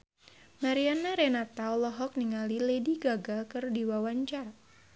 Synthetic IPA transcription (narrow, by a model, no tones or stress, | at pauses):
maɾianaɾenat̪aɔlɔɦɔk̚niŋalilediɡaɡalkɨrdiwawaɲt͡ʃar